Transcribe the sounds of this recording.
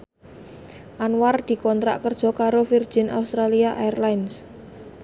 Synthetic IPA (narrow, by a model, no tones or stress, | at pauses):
ʔanward̪̥i̤kɔnt̪ɾa̰ʔkərd̥ʒ̥ɔ̤kaɾofird̥ʒ̥ɪ̤na̰ust̪ɾaliaʔaɛrlajns